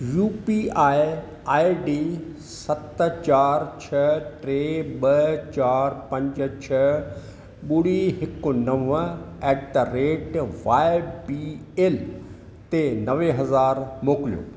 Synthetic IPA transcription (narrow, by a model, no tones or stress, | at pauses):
juːpiaːɪ | aːiɖi | sɐt̪t͡ɕaːɾt͡ɕʰɐʈɾeːɓɐt͡ɕaːɾpɐ̃ɲd͡ʑə̆t͡ɕʰɐ | ɓʊɽiɦɪknɐʋəɛːkʈɾeːʈʋaːɪbieːl | t̪enɐʋeɦɐzaːɾmoːklijo̰ː